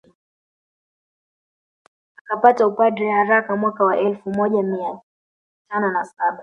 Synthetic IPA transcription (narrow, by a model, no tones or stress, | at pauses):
akapataupadɾɛhaɾakamwakawaʔɛlfumɔʄamia | tanɔnasaɓa